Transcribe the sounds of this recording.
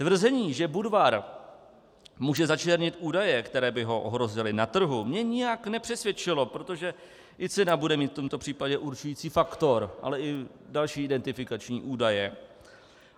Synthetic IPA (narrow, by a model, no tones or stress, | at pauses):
t̪vr̩zɛɲiːʒɛbudvaɾ | muːʒɛzat͡ʃɛɾɲɪt̪ʔuːdajɛkt̪ɛɾɛːbɪɦo̞ʔoɦɾo̞zɪlɪnat̪r̩ɦumɲɛɲɪjaknɛpr̝̥ɛsvjɛt͡ʃɪlo̞pɾo̞t̪o̞ʒɛ | ʔɪt͡sɛnabudɛmiːt̪ft̪o̞mt̪o̞pr̥iːpaɟɛʔuɾt͡ʃujiːt͡siːfakt̪o̞ɾʔa̰lɛʔɪdalʃiːɪdɛnt̪ɪfɪkat͡ʃɲḭːʔuːdajɛ